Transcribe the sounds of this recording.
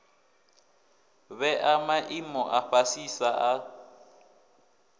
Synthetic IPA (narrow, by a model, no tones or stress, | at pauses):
βɛʔamaʔimɔʔaɸasisaʔa